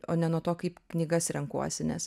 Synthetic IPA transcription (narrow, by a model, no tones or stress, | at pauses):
oːnʲɛnuɔt̪oːkɐɪpknʲiːɡɐsɾʲɛŋkṵɔsʲɪnʲɛs